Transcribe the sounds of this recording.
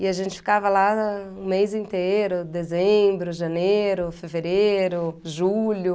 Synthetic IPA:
ɪaʒẽnt͡ʃɪ̥fi̥kavɐlaũmejzĩnt̪ejɾʊd̪ezẽbɾʊʒɐnejɾʊfeveɾeɾʊʒulʊ

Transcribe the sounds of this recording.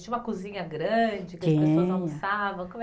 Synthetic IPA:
t͡ʃĩumɐkuzĩɲɐɡɾɐ̃d͡ʒɪkɪɐsipesoɐ̃asavɐ̃w̃kõm

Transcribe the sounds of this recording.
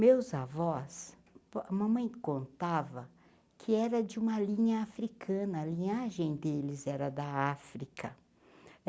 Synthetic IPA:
mewzavɔs | ɐmɐ̃mɐ̃j̃kõnt̪avɐ | kʰɪɛɾɐd͡ʒɪũmɐlĩɲɐafɾikʰɐ̃nɐːlĩɲaʒẽj̃d̪elɪzɛɾɐd̪ɐafɾikɐ

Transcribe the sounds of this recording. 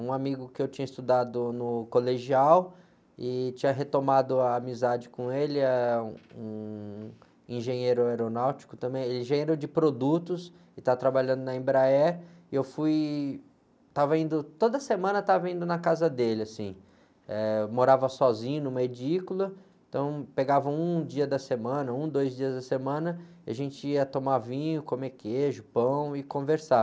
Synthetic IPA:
ũamiɡʊkɪewt͡ʃĩɲɐist̪ud̪ad̪ʊnʊkoleʒiaw | ɪt͡ʃĩɲɐɦet̪omad̪ʊaːmizad͡ʒɪkõelɪɛũũ | ĩʒẽɲejɾʊajɾonawt͡ʃi̥kʊ̥t̪ɐ̃mbẽj̃elɪẽĩʒẽj̃eɾowd͡ʒɪpɾod̪ut̪ʊs | ɪt̪avɐt̪ɾabaʎɐ̃nd̪ʊnɐĩbɾaɛ | ɪewfuj | t̪avɐĩnd̪ʊt̪od̪ɐsemɐ̃nɐt̪avɐĩnd̪ʊnɐkazɐd̪elɪasĩ | ɛmoɾavɐsɔzĩɲɐnũmɐed͡ʒikʊlɐẽt̪ɐ̃w̃peɡavɐũd͡ʒiɐd̪ɐsemɐ̃nɐũd̪ojzd͡ʒiɐzd̪ɐsemɐ̃nɐiaʒẽnt͡ʃɪiɐt̪omavĩɲʊkomekʰeʒʊpɐ̃w̃ɪkõveɾsa

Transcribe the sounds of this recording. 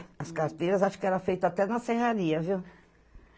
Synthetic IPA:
ɐskaɾt̪ejɾɐzaʃʊ̥kɪɛɾɐfejt̪ʊat̪ɛnɐsehaɾiɐviw

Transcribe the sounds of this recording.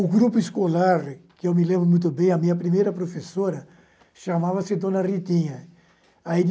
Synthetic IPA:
ʊɡɾupʊiskolaɾkɪewmɪlɛ̃vʊmũj̃t̪̬ʊbẽj̃ɐmĩɲɐpɾimejɾɐpɾofesoɾɐ | ʃamavɐsɪd̪õnɐrit̪ĩɲɐ | aid

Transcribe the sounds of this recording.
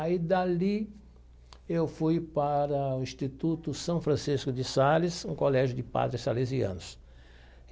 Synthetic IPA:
aid̪ali | ewfujpaɾɐʊĩst̪it̪ut̪ʊsɐ̃w̃fɾɐ̃siskʊd̪ɪsalɪsũkolɛʒʊd̪ɪpa̰d̪ɾɪsaleziɐ̰̃nʊs

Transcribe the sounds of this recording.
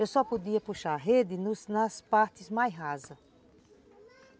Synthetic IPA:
ewsɔpod̪iɐpuʃaɾɦed̪inusnɐspaɾt̪ismajɦazɐ

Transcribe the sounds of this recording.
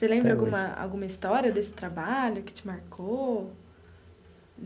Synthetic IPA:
selẽmbɾɐawɡũmɐa̰wɡũmɐist̪ɔɾiɐd̪esɪ̥t̪ɾabaʎʊkɪ̥t͡ʃɪmaɾkʰo

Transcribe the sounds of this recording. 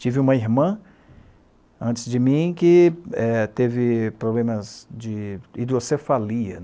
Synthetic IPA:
t͡ʃivɪũmɐiɦmɐ̃ | ɐ̃nt͡ʃɪzd͡ʒɪmĩkɪɛt̪evɪpɾoblẽmɐzd͡ʒɪid̪osefaliɐ

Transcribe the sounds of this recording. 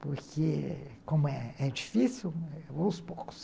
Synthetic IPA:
pʊɾkekõmʊɛɛd͡ʒifisiwospokʊ̥s

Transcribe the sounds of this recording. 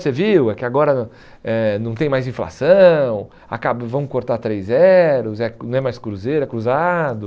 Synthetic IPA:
seviwɛkɪaɡɔɾɐ | ɛnɐ̃w̃t̪ẽj̃majzĩfla̰sɐ̃w̃ | a̰kabɐvɐ̃w̃koɾt̪aɾt̪ɾejzɛɾʊzɛnɐ̃ɛmajskɾuzejɾʊɛkɾuzad̪ʊ

